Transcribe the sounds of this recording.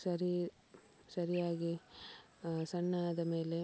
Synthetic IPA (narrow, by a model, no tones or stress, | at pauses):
sɐɾi | sɐɾijaːɡi | sɐɳːad̪ɐme̞ːle̞